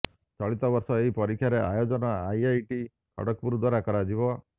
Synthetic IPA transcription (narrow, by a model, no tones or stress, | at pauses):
t͡ʃɔɭit̪ɔbɔɾsɔeɦipɔɾikʰːjaɾeajod͡ʒɔnɔajajʈi | kʰɔ̰ɽɔk̚puɾud̪waɾakɔɾad͡ʒibɔ